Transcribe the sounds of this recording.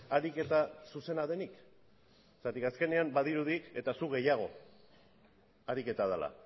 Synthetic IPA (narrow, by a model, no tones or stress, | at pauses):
aɾike̞t̪asuse̞naðe̞nik | sat̪ikaske̞ne̞ambaðiɾuðike̞t̪asuɣe̞jaɣ̞o̞ | aɾike̞t̪aðala̰